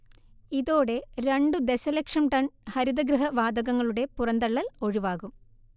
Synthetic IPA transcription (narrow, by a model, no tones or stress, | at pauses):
iðoːɽe̞ɾe̞ɳɖud̪eɕɐlɐkʂɐmʈɐɳhɐɾiðɐɡɾɨɦɐʋaːd̪ɐɣɐŋːɐɭuɽe̞purɐnd̪ɐɭːɐlo̞ɻiʋaːɣum